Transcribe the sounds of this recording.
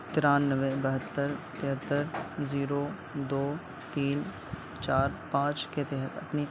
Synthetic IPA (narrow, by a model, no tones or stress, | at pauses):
t̪ɪɾaːnːəʋẽbɐɦət̪ːəɾt̪ɪɦət̪ːəɾziːɾoː | d̪oː | t̪iːn | t͡ʃaːɾpãːt͡ʃket̪ɛɦət̪ɐ̰pni